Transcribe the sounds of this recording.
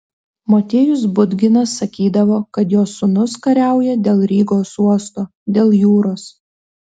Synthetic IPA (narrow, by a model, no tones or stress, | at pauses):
moːt̪ʲeːjʊsbʊd̪ʲɡʲɪnɐsːɐkʲiːd̪ɐʋoːkɐt̪joːsʊnʊskɐɾʲæˑʊjɛd̪ʲeːlˠɾʲiːɡoːsuɔst̪oː | d̪ʲeːlˠjuːɾoːs